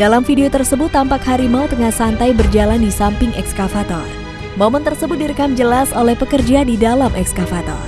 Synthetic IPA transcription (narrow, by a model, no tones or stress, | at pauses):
dalamfideot̪ərsəbʊt̪ːampakhaɾimaut̪əŋahsant̪ajbərd͡ʒalandisampɪŋʔɛkskafat̪ɔr | mɔmənt̪ərsəbʊt̪̚diɾəkamd͡ʒəlasolɛhpəkərd͡ʒadidalamʔɛkskafat̪ɔ̰r